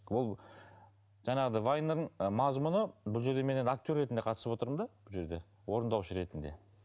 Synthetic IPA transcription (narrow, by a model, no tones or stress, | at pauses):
wolˠ | ʒɑɴɑʁəd̪ɑvajneəɴmɑzmʊnəbʊlˠʒe̞ɾd̪eme̞nenak̚t̪ʲo̞rːe̞t̪ɪnd̪eqʰɑt̪ə̥səpwo̞t̪əɾəmd̪ɑb̥ʊlˠʒe̞ɾd̪e̞ | wo̞ɾənd̪ɑwʃəɾe̞t̪ɪnd̪e̞̰